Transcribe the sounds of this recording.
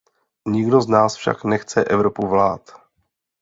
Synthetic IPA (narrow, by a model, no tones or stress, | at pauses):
ɲɪɡdo̞znaːsfʃa̰knɛxt͡sɛʔɛvɾo̞puvlaːt̪